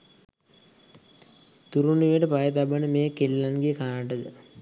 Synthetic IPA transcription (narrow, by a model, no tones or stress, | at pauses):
t̪uɾuniʋeʈəpajət̪̬abənəmeːkelːanɡijəkanaʈəd̪ə